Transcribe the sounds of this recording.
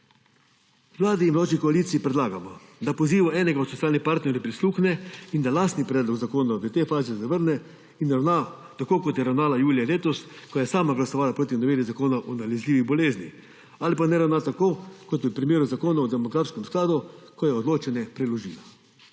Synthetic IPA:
ʋlaːd̪iːnmlaːʃikoaliːt̪siipɾɛd̪laːɡamɔd̪apoziːʋaʔɛːnɛɡaɔt̪sot̪iaːlnipaɾt̪nɛɾʲjapɾisluːxnɛind̪alaːst̪nipɾɛːd̪lɔɡzakoːnaʋɛt̪efaːzɛzaʋəɾnɛ | inɾawna | t̪akoːkɔt̪jɛɾawnaːlajuːlijaleːt̪ɔskɔjɛsaːmaɡlasɔʋaːlapɾoːt̪inaʋeːɾizakoːnaʔɔnalɛzlʲiːʋiɣbɔleːzni | alipanɛɾawnat̪akoːkɔt̪jɛpɾimjeːɾuzakoːnaɔd̪ɛmɔɡɾaːfskɛmsklaːd̪ukɔjɛɔd̪loːt͡ʃɛnjɛpɾɛloʒiːla

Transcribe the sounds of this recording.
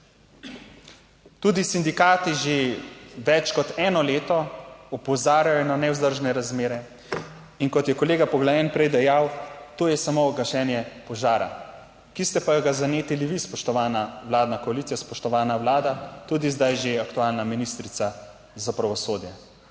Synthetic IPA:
t̪ud̪isind̪ikaːt̪iʒeʋɛt͡ʃkɔt̪ɛːnɔleːt̪ɔɔpɔzaːɾjajɔnanɛwzd̪əɾʒnɛɾazmeːɾɛ | inkɔt̪jɛkɔleːɡapɔɡlajɛnpɾɛjd̪ɛjawt̪oːjɛsamoːɡɐʃɛːnjɛpɔʒaːɾa̰ | kist̪ɛpajɔɡazaneːt̪iliʋispɔʃt̪ɔʋaːnawlaːd̪nakɔalit̪sijaspɔʃt̪ɔʋaːnaʋlaːd̪at̪uːd̪izd̪ajʒeakt̪uaːlnaminist̪ɾit̪sa | zapɾaʋɔsoːd̪jɛ

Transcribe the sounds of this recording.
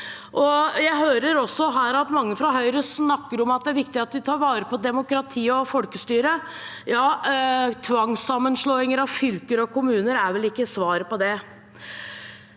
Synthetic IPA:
ʔɔjæɪɦøːɾəɾɔsːɔɦæːɾɑt̪mɑŋːəfɾɔɦœʏɾəsnɑkːəɾɔmɑt̪̚d̪ɛæɾʋɪkt̪ɪɑt̪ʋɪt̪ʰɑːɾʋɑːɾəpɔd̪ɛmʊkɾɑt̪ʰiːɔfɔlkəst̪yːɾə | jɑːt̪ʰʋɑŋsɑmːənʂɭoːɪŋəɾɑʋfʏlkəɾɔkʰʊmʉːnəɾæɾʋɛlɪkːəsʋɑːɾəpɔd̪ɛ

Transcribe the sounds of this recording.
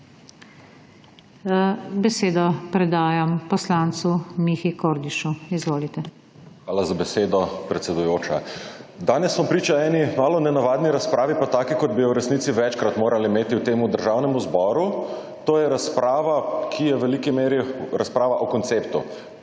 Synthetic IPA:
bɛseːd̪ɔpɾɛd̪aːjampɔslaːnt̪sumixikoːɾd̪iʃuizʋoːlit̪ɛ | xʋaːlazabɛseːd̪ɔpɾɛt̪sɛd̪ujoːt͡ʃad̪aːnjɛsːɔmpɾiːt͡ʃaɛːnimaːlɔnɛnaʋaːd̪niɾaspɾaːʋipat̪aːkikɔd̪̚bijɔwɾɛsniːt̪siʋɛt͡ʃkɾat̪moːɾʔalimeːt̪iwt̪eːmud̪əɾʒawnɛmuzbɔːɾu | t̪oːjɛɾaspɾaːʋakʰijɛʋɛlikimeːɾiɾaspɾaːʋaʔɔkɔnt̪seːpt̪ṵ

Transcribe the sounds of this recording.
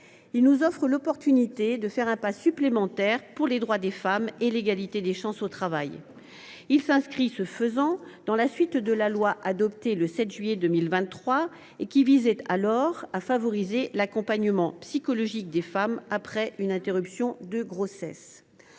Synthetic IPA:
ilnuzɔfχəlɔpɔʁt̪ynit̪ed̪əfɛʁɛ̃pasyplemɑ̃t̪ɛʁpuʁled̪ʁwad̪efameleɡalit̪ed̪eʃɑ̃sot̪χavaj | ilsɛ̃skχisəfəzɑ̃d̪̥ɑ̃lasɥit̪d̪əlalwaʔad̪ɔpt̪eləsɛt̪ʒɥijed̪əmilvɛ̃t̪ːχwa | ekʲivizɛt̪alɔʁafavɔʁizelakɔ̃paɲəmɑ̃psikɔlɔʒik̚d̪efamapχɛʔynɛ̃t̪eʁypsjɔ̃d̪əɡʁosɛs

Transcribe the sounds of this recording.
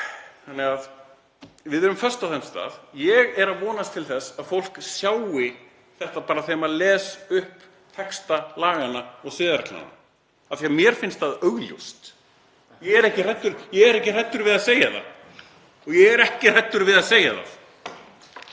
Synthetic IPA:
θanːɪɣað | vɪðɛɾʏmfœr̥st̪aθɛnst̪a̰ːðjɛɣɛɾaðvɔːnast̪ʰɪlθɛsaðfowl̥ksjaːwɪ | θɛht̪apaːɾaθejmaðlɛːsʏhp | t̪ʰɛkst̪alaːɣanːaɔɣsɪːðaɾakla̰nːa̰ | aθiamjɛɾ̥fɪnst̪θaðœɣljo̰st̪ | jɛɣɛɾɛhcɪr̥ɛt̪ːʏɾjɛɛɾɛhcɪr̥ɛt̪ːʏɾvɪðaðseːjaθa̰ | ɔɣjɛɣɛɾɛhcɪr̥ɛt̪ːʏɾvɪðaðseːjaða̰ð

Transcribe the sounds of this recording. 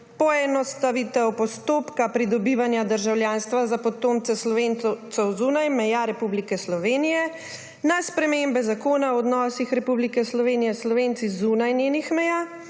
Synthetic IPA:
pɔɛnɔst̪aʋit̪ɛwpɔst̪oːpkapɾid̪ɔbiʋanjad̪əɾʒawljanst̪ʋazapɔt̪oːmt̪sɛslɔʋent̪sɛwzuːnajmɛjaɾɛpublikɛslɔʋeːnijɛ | naspɾɛmembɛzakoːnawɔɔd̪nɔːsixɾɛpublikɛslɔʋeːnijɛslɔʋent̪sizunajnjeːnixmɛjaː

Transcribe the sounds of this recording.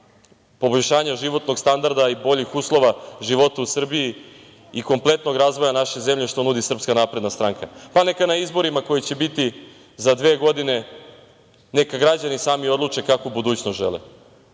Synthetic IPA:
po̞boʎʲʃaːɲaʒiʋo̞t̪no̞ɡst̪and̪aɾd̪aibo̞ʎixuːslˠo̞ʋaʒiʋo̞t̪ausr̩bii | iko̞mplˠe̞t̪no̞ɡɾazʋo̞janaʃeze̞mʎeʃt̪o̞nud̪isr̩pskanapɾed̪nast̪ɾaŋkʰapane̞kanaizbo̞ɾimako̞jit͡ɕe̞bit̪i | zad̪ʋeːɡo̞d̪ine̞ | ne̞kaɡɾad͡ʑanisaːmio̞d̪lˠut͡ʂe̞kakobud̪uːt͡ɕnost̪ʒḛlˠḛ

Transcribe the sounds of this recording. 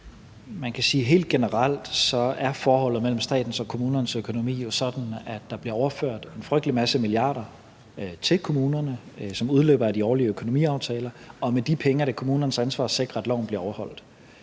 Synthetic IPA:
mænkʰæsiːɦe̝̰ːld̥̚ɡ̥e̝nəʁal̰d̥sɒ̽æɐfɒːhɒ̽l̰ð̞̩ˠmel̰m̩sd̥ɛ̰ːd̥n̩sɒ̽kʰo̝muːnɐnəsøkʰo̝no̝mḭːjo̝sɒ̽d̥n̩æd̥ːɑ̈b̥liɐɒʊɐføɐ̰d̥e̝nfʁœɡ̥̚d̥limæsəmiliɑ̰̈ːɾ̥ɐ | t͡sʰe̝lkʰo̝muːnɐnəsɒ̽muð̞ˠlø̰ːb̥ɐædiɒːliəøkʰono̝mḭːɑ̈ʊt͡sʰɛːlɐɒ̽med̥ipʰeŋəɾɑ̈kʰo̝muːnɐnəsænsʋɑ̰̈ːse̝ɡ̥ʁɐed̥lɒʊ̰nb̥liɐɒʊɐhɒ̽l̰d̥

